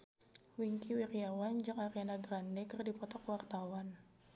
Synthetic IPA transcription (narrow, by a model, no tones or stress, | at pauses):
wiŋkiwirjawand͡ʒɨŋaɾijanaɡɾandɛkɨrdipɔt̪ɔkwart̪awan